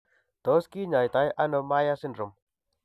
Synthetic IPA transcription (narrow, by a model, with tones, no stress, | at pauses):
t̪ɔ˨˦ski˦ɲa˨jt̪a˨jʔa˦no˧ma˦ja˦sɪ˦ndɾo˨m